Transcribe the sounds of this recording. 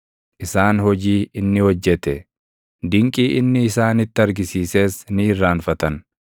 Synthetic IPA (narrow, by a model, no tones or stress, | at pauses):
ʔɪsaːnhɔd͡ʒiːɪnːɪwɔd͡ʒːɛt̪ɛ | d̪ɪŋkʼiːʔɪnːɪːsaːnɪt̪ːɪɐɾɡɪsiːse̞ːsnɪɪrːaːnfɐt̪ɐn